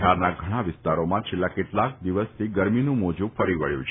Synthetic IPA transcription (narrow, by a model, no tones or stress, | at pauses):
aɾnaɡʱəɽ̃aʋɪst̪aɾomãt͡ʃʰelːakeʈlak̚d̪iʋəst̪ʰiɡəɾminũmod͡ʒũfəɾiʋə̰ɭjṵ̃t͡ʃʰ